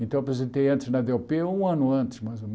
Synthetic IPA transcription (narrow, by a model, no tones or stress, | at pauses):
ẽt̪ɐ̃w̃ɐpɾezẽt̪ejɐ̃nt̪ɪznɐd̪eopeɐũɐ̃nʊɐ̃nt̪ɪ̥smajzom